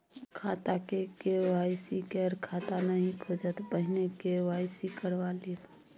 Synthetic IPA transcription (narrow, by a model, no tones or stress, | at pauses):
kʰat̪akekewajsikɛɾkʰat̪anəɦĩkʰod͡ʒət̪pəɦɪnekewaɪsikəɾʋaliːt̪